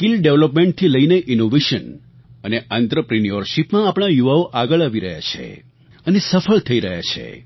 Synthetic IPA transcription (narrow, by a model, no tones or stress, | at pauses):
kilɖeʋləpmẽɳʈ̚t̪ʰiləineʔinoʋeʃən | əneʔãnt̪ɾəpɾinijəɾʃipmãːpɳ̃ajuʋaoʔaɡəɭaʋiɾəɦja̰t͡ʃʰḛ | ənesəfəɭt̪ʰəiɾəɦja̰t͡ʃʰḛ